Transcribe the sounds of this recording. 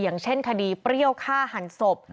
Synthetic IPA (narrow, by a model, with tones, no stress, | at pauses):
jaː˨˩˦ŋt͡ɕʰe˥˩nkʰa˧diː˧pɾi˥˩əwkʰaː˥˩ha˩˦nso˨˩p̚